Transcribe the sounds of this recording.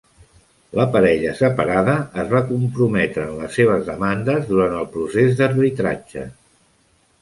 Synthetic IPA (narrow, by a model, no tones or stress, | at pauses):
ləpəɾɛʎəsəpəɾaðəːzβakumpɾumɛt̪ɾəːnləsːeβ̞əzðəmand̪əzðuɾant̪əlˠpɾusezd̪ərβit̪ɾa̰̥d͡ʒə̰